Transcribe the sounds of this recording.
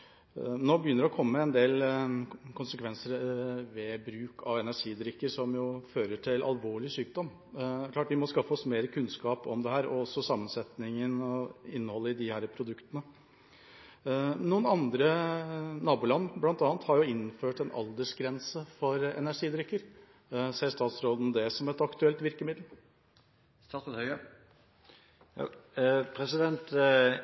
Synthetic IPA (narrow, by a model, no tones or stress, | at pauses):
noːbəjʏnːəɾɛɔkʰɔmːəəɛnd̪eːl | kʰʊnsəkʋɛnsəɾʋɛbɾʉːkʰɑʋɛnæʂiːd̪ɾʏkːəʂɔmjʊføːɾəʈʰɪlʔɑ̰lʋoːɭɪsyːk̚d̪ɔm | d̪æɾkʰlɑːʈʋɪmɔskɑfːəɔsmeːɾəkʰʉnskɑːpɔmd̪ɛhæːɾɔ̰ɔsːɔsɑmːənsɛt̪nɪŋənɔɪnːəhɔlːəɪd̪ɪhæːɾəpʰɾʊd̪ʉkt̪ənə | nuːənɑnd̪ɾə | nɑːbuːlɑnːblɑnt̪ɑːnt̪hɑɾjʊɪnːføːʈɛnɑ̰ld̪əʂɡɾɛnsəfɔɾɛ̰næʂiːd̪ɾʏkːəɾ | siːəɾʂt̪ɑːt̪sɾoːd̪n̩d̪ɛsɔmɛt̪ɑkt̪ʉɛlt̪ʋɪɾkəmɪd̪l̩ | st̪ɑːt̪ːt̪hœə | pʰɾɛsɪd̪ɛnt̪